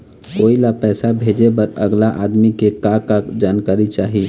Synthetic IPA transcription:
koːilapɛːsabʱed͡ʒebəɾə̰ɡlaʔa̰d̪mikekakad͡ʒaːnkaɾit͡ʃaːɦi

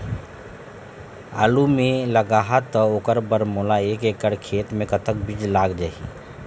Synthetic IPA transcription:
a̰ːlumẽləɡaːɦat̪ːəoːkəɾbəɾmolaeːkeːkəɽkʰeːt̪mẽkət̪ək̚bid͡ʒlaːɡd͡ʒaːi

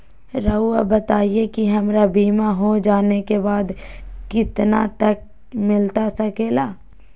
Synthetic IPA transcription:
ɾɐuabɐt̪aːiekiɦɐmɾabiːmaɦod͡ʒaːnekebaːd̪kɪt̪na̰t̪ɐk̚ | mɪlt̪asɐkeːlaː

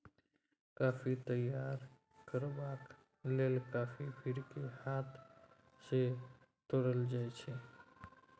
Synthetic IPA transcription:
kaːfʰit̪əjːaɾ | kəɾbaːk | leːlkaːfibʱiɾkehat̪ʰ | se | t̪oɽəld͡ʒaːt͡ʃʰe

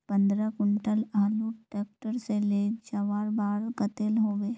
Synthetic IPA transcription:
pə̃nd̪ɾəkʊɳʈəlaːluʈeːk̚ʈəɾseleːt͡ʃɐʋaːɾbaːɾkət̪elɦoːʋeː

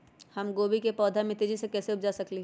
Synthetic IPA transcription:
hɐmɡoːbikepɔːd̪ʱamẽt̪id͡ʒisekɛːseʊpd͡ʒasɐkliɦ

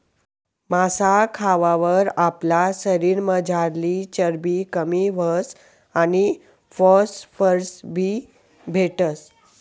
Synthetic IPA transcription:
masakʰaʋaʋəɾaplasəɾiɾməd͡zʱaɾlit͡ɕəɾbikəmiʋəs | añi | fɔsfəɾsbʱi | bʱeʈəs

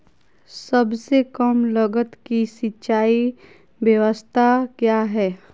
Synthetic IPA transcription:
sɐbsekəmləɡət̪kisɪtːt͡ʃaːi | bjəʋəst̪ʰakjaːɦɛː

